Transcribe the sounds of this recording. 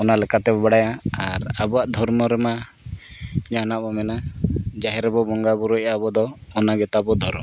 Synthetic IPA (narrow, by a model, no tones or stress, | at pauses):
ɔnalɛkat̪ɛbɔbaɽajaaɾabuaʔd̪ʱɔɾmɔɾɛma | d͡ʒanabɔmɛnad͡ʒaɦɛɾɛbɔbɔŋɡabɔɾɔjabɔd̪ɔːnaɡɛt̪abɔd̪ʱɔɾmɔ